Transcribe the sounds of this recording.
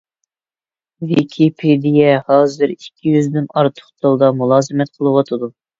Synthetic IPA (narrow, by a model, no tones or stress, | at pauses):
vikʲʰipʰed̪ijɛhɑːzɨɾikʲʰːijyzd̪ɪnɑɾt̪ʰʊ̥χt̪ʰɑlˠd̪ɑmulˠɑːzɨmɛt̪̚qʰəlˠɨwɑt̪ʰɨd̪u